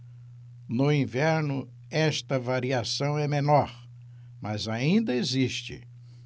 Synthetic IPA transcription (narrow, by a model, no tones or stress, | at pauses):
nʊĩvɛɾnʊ | ɛst̪ɐvaɾiasɐ̃w̃ɛmenɔɾ | mɐzaĩnd̪ɐeziʃt͡ʃɪ̰